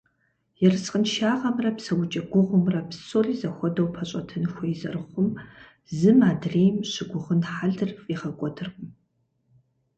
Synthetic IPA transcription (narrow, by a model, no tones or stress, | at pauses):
jɛrɨsqənʃaːʁɐmrɐpsɐwʊt͡ʃʼɐɡʷʊʁʷʊmrɐpsoɮiːzɐxʷɔdɐwpʰɐɕʼɐtʰɨnxʷɔjzɐ̰rɨχʷʊm | zɨmaːdreːjmʃɪɡʷʊʁənħaɮɨrfʼiʁɐkʷʼɔdʰɨrχʊm